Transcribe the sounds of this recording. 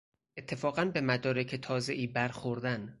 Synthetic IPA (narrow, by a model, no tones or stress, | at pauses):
ʔet̪ʰːe̞fɒːɣænbe̞mæd̪ɒːɾecʰet̪ʰɒːze̞ʔiːbæɾxoɾd̪æn